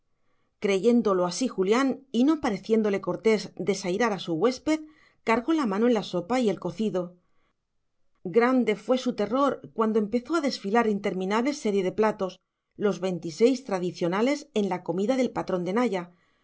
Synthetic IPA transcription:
kɾe̞ʝe̞nd̪o̞lo̞asixuljanino̞paɾe̞θje̞nd̪o̞le̞ko̞ɾt̪e̞zd̪e̞sajɾaɾasuɣwe̞speð | kaɾɣo̞lamãnoenlaso̞paie̞lko̞θiðo̞ | ɡɾand̪e̞fwe̞sut̪e̞ro̞ɾkwand̪o̞e̞mpe̞θo̞aðe̞sfilaɾint̪e̞ɾmĩnaβle̞se̞ɾje̞ðe̞plat̪o̞s | lo̞zβe̞jnt̪ise̞jst̪ɾaðiθjo̞nale̞se̞nlako̞miðaðe̞lpat̪ɾo̞nd̪e̞naʝa

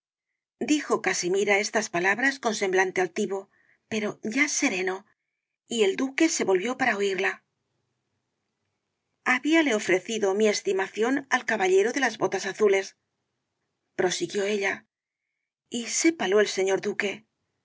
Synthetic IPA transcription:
d̪ixo̞kasimiɾae̞st̪aspalaβɾasko̞nse̞mblant̪e̞alt̪iβo̞ | pe̞ɾo̞ʝase̞ɾe̞no̞ | ie̞ld̪uke̞se̞βo̞lβjo̞paɾaoiɾla | aβiale̞o̞fɾe̞θiðo̞mie̞st̪imaθjo̞nalkaβaʎe̞ɾoðe̞lazβo̞t̪asaθule̞s | pɾo̞siɣjo̞e̞ʎa | ise̞palo̞else̞ɲo̞ɾd̪uke̞

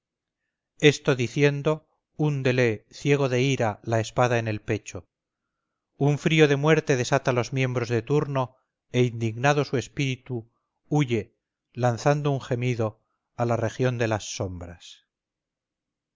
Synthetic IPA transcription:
e̞st̪o̞ðiθje̞nd̪o̞ | und̪e̞le̞θje̞ɣ̞o̞ðe̞iɾalae̞spaðaene̞lpe̞t͡ʃo̞ | uɱfɾio̞ðe̞mwe̞ɾt̪e̞ðe̞sat̪alo̞zmjẽ̞mbɾo̞zðe̞t̪uɾno̞ | e̞ind̪iɣnað̞o̞sue̞spiɾit̪u | uʝe̞ | lanθand̪ouŋxe̞miðo̞ | alare̞xjo̞nd̪e̞lasːo̞mbɾas

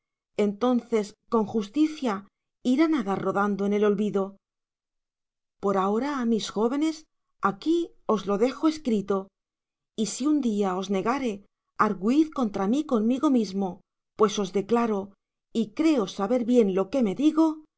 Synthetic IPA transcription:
e̞nt̪o̞nθe̞sko̞ŋxust̪iθja | iɾanaðaro̞ðand̪oene̞lo̞lβiðo̞ | po̞ɾao̞ɾaːmisxo̞βe̞ne̞s | aki | o̞zlo̞ðe̞xo̞e̞skɾit̪o̞ | isiund̪iao̞zne̞ɣaɾe̞ | aɾɣwiθko̞nt̪ɾamiko̞nmiɣo̞mizmo̞ | pwe̞so̞zðe̞klaɾo̞ | ikɾe̞o̞saβe̞ɾβje̞nlo̞ke̞me̞ðiɣo̞

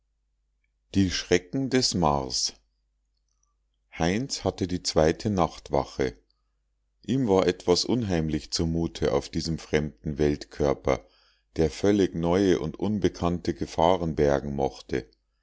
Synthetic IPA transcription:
d̥iːʃʁ̥ɛkŋ̩dɛsma̰ʁs | haɪnshatədiːt͡sv̥aɪtʰənaχtv̥a̰χə | ʔiːmvaːɐʔɛtv̥asʔʊnɦaɪmlɪçt͡sumuːtʰəʔaʊfd̥iːzəmfʁ̥ɛmdn̩vɛltkʰœɐpɐ̰ | d̥eːɐfœlɪçnɔʏəʔʊntʔʊnbəkʰantəɡəfaːʁənbɛɐɡŋ̩mɔχtə

